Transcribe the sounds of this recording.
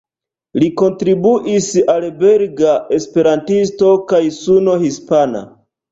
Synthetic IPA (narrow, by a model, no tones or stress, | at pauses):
liko̞ntɾibuʔisalbeɾɡaʔe̞spe̞ɾantisto̞kajsuno̞hispana̰